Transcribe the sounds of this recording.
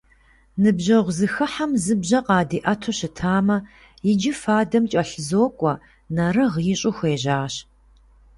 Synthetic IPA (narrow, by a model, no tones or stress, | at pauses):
nɨbʑɐʁʷzɨxɨħamzɨbʑɐqʼɑːdiːʔɐtʰoɕɪtʰaːmɐ | jɪd͡ʒɪfaːdɐmt͡ʃʼɐɬɨzoːkʷʼɔ | nɐɾɨʁɪɕʼʊxʷeːʑaːɕ